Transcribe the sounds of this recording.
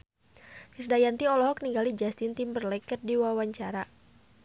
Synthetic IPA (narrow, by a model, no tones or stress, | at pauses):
hisdajant̪iɔlɔɦɔk̚niŋɡalid͡ʒast̪int̪imbərlɛkərdiwawaɲt͡ʃaɾa